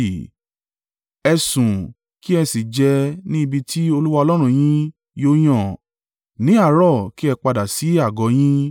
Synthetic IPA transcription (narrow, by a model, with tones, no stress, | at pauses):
ɛ˧sũ˨ | ki˦ɛ˧si˨d͡ʒɛ˧nĩ˦i˧bi˧ti˦o˧lu˦wa˧ɔ˧lɔ˦ɾ̃ũ˧j̃ĩ˦ | jo˦j̃ɔ̃˦˨ | nĩ˨˦a˦˨ɾɔ˦˨ki˦ɛ˧k͡pa˧da˨si˨˦a˦˨ɡɔ˨˦j̃ĩ˦